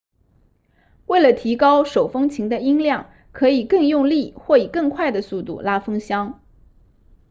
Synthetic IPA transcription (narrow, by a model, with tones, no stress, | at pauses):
we˥˩ɪlə˩t̪ʰi˧˥kɑ˥ʊʂo˨˩ʊfɤ˥ŋt͡ɕʰi˧˥ŋd̪ə˧i˥ŋljɑ˥˩ŋ | kʰɤ˧˥i˨˩kɤ˥˧ŋjʊ˥˧ŋli˥˩xwɔ˥˩i˨˩kɤ˥˧ŋkʰwa˥˩ɪd̪ə˩su˥˧t̪ṵ˥˩la˥fɤ˥ŋɕjɑ˥ŋ